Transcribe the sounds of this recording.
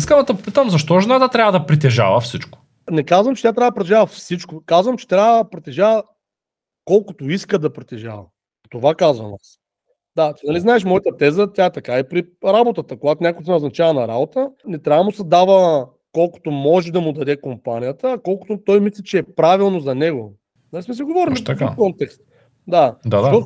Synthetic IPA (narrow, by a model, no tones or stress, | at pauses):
iskəmɐd̪ɐpopit̪əmzɐʃt̪ɔʒɛnat̪ət̪ɾʲavəd̪ɐpɾit̪̬ɛʒa̰vəfsit͡ʃkʊ̥ | nɛkazvɐmt͡ʃɛ̥t̪ʲjat̪ɾavd̪ɐpɾot̪ɛʒavəfsit͡ʃkokazvəmt͡ʃɛ̥t̪ɾʲavəd̪pɾɛt̪ɛʒavə | kɔlˠkʊt̪oiskəd̪ɐpɾit̪ɛʒa̰vɐ̰ | t̪ovakazvɐ̰mas | d̪at̪inɐliznaɛʃmɔjət̪ət̪ɛzət̪jaɛt̪ɐkaipɾi | ɾabot̪ət̪əkoɡat̪onʲakoʊmnɛʊznɐt͡ʃavənɐɾabot̪ənɛt̪ɾʲavəmʊsɐd̪avə | kɔlˠkʊ̥t̪omɔʒɛd̪ɐmʊd̪ɐd̪ɛkompanʲijət̪əːkɔlˠkʊ̥t̪ot̪ɔjmislʲɛt͡ʃɛːpɾavilˠnozɐnɛɡo | nɐlismɛsiɡovɔɾillifikɔnt̪ɛkst̪ | d̪ad̪aɔ